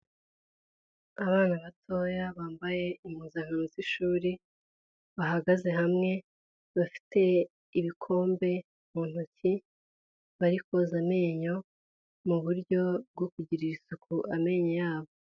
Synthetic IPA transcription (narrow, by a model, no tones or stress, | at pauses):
aβaːnaβatʰo̞jaβaːmbaje̞im̥huzaŋanuziʃuːɾi | βaɦaɡaze̞ɦamŋe̞ | βafi̥tʰe̞ | iβikʰo̞ːmbe̞ | muːn̥uci | βaɾiko̞zame̞ːɲo̞ | muβuɾɟo̞b̚ɡokuɟiɾiɾisukʰuʔame̞ːɲojaːβo